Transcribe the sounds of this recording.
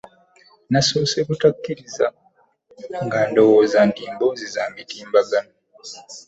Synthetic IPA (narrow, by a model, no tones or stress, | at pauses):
nasoːsekutakːiɾiza̰ | ŋɡando̞woːzandiːmbozizaːmitiːmbaɡano